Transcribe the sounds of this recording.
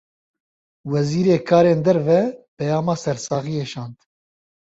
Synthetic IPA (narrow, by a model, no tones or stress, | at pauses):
wɛziːɾeːkʰaːɾeːnd̪ɛɾvɛpɛjaːmaːsɛɾsɑːɣiːeːʃɑːnd̪